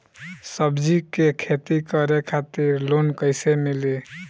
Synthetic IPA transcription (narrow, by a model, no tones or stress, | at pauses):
səbd͡ʒikekʰet̪ikəɾekʰat̪iɾlonkəɪjsemili